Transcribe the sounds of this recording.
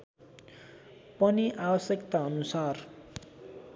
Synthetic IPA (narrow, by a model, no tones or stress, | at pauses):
pʌniʔabʌsjʌkt̪aʌnusar